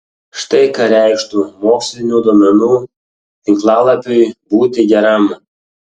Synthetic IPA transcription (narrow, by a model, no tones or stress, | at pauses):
ʃt̪ɐɪkɐɾʲæɪʃt̪umoːksʲlʲɪnʲuːd̪ɔːmʲɛnuː | t̪ɪŋklˠɑːlˠɐpʲʊjbuːt̪ʲɪɡʲɛɾɐm